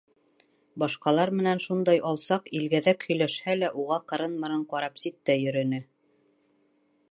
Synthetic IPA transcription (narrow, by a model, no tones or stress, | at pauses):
bɑʃqɑlˠɑɾmɘ̆nænʃund̪ɑjɑlˠsɑqilɡæðækhɵ̆jlæʃhælæʔuʁɑqɤ̆ɾɤnmɤ̆ɾɤɴqɑɾɑpsit̪ːæjɵ̆ɾɵ̆nɘ